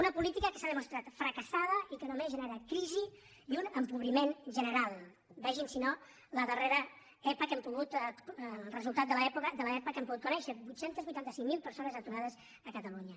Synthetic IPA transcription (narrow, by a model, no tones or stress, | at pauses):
unəpulit̪ikəkəsaðəmust̪ɾat̪fɾəkəsað̞əikənomeʒənəɾat̪̚kɾizi | iunəmpuβɾimenʒənəɾalˠ | bɛʒinsino | ləðəreɾə | ɛpəkɛmpuɣut̪ | rəzulˠt̪at̪d̪ələɛpukəd̪ələɛpəkɛmpuɣut̪kunɛʃəbujt̪sent̪əzβujt̪ant̪əsiŋmilˠpəɾsonəzət̪uɾaðəz | əkət̪əluɲə